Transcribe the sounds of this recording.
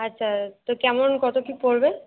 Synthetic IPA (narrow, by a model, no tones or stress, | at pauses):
atːɕʰat̪okɛmonkɔt̪okipoɾbe